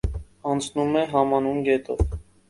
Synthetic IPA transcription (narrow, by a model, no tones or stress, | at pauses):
ɑnt͡sʰnumɛɦɑmɑnunɡɛt̪ɔv